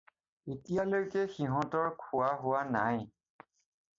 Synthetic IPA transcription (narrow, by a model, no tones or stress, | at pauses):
etijalojkɛxiɦɔ̃tɔɹkʰʊwaɦʊwanaj